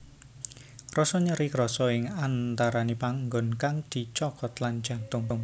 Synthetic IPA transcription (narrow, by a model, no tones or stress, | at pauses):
rɔsɔɲəɾikɾɔsɔɪŋant̪aɾanipaŋɡɔnkaŋd̪̥i̤t͡ʃɔkɔt̪land̥ʒ̥ä̤t̪ʊŋʊŋ